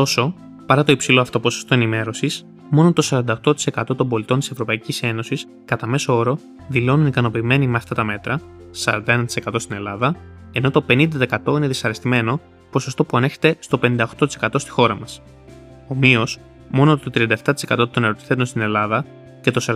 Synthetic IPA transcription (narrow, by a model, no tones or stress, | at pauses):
t̪o̞so̞ | pɐɾɐt̪o̞ipsilo̞ɐft̪o̞po̞sost̪o̞enime̞ɾo̞sis | mo̞not̪o̞sɐɾɐnd̪ɐoxt̪o̞t̪i̥se̞kɐt̪o̞t̪o̞mbo̞lit̪o̞nt̪ise̞vɾo̞pɐicise̞no̞sis | kɐt̪ɐme̞soo̞ɾo̞ | ðilo̞nunikɐno̞piːme̞nimeɐft̪ɐt̪ɐme̞t̪ɾɐ | sɐ̰ɾɐ̰nd̪ɐe̞nɐt̪i̥se̞kɐt̪o̞st̪ine̞lɐðɐe̞no̞t̪o̞pe̞nind̪ɐt̪ɐekɐt̪o̞ine̞ðisɐɾest̪ime̞no̞ | po̞so̞st̪o̞puɐneçe̞̥t̪e̞st̪o̞penind̪ɐoxt̪ot̪ise̞̥kɐt̪o̞st̪i̥xo̞ɾɐmɐs | o̞mio̞s | mo̞not̪ot̪ɾiɐnd̪ɐeft̪ɐt̪i̥se̞kɐt̪o̞t̪o̞neɾot̪i̥θe̞t̪unst̪ine̞lɐðɐ | cet̪osɐɾ